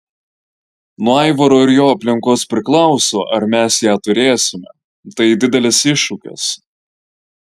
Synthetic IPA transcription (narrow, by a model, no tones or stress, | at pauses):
nuɔɐɪʋɐɾoːɪɾjoːɐpʲlʲɪŋˑkoːspʲɾʲɪklˠɐʊsoːʔɐɾmʲæsjæːt̪ʊɾʲeːsʲɪmʲɛ̰ | t̪ɐɪd̪ʲɪd̪ʲɛlʲɛsɪʃʊkʲɛ̰s